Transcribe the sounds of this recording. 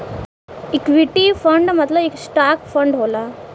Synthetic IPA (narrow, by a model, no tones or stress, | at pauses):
ikʋiʈifəɳɖmət̪ləeksʈakfəɳɖɦola